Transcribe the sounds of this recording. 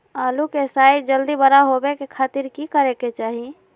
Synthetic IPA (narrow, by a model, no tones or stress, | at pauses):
alukesajd͡ʒəld̪ibəɾaɦobekekʰat̪iɾkikəɾeket͡ʃaɦi